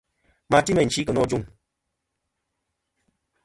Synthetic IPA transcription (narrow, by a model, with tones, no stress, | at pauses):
ma˧˨ti˦mə˨n̩˨t͡ʃi˦kə˨nɔ˦d͡ʒu˦˨ŋ